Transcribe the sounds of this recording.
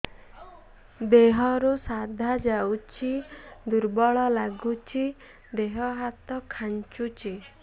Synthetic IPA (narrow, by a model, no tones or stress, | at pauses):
d̪eɦɔɾusad̪ʱad͡ʒawt͡ʃʰid̪uɾbɔɭɔlaɡut͡ʃʰi | d̪eɦɔɦat̪ɔkʰant͡ʃut͡ʃʰi